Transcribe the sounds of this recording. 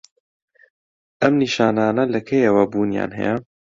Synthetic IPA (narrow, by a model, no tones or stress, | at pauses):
ʔɐmniʃaːnaːnɐlɐkʰejɛwɐbuːnja̰ːnɦɛ̰jɛ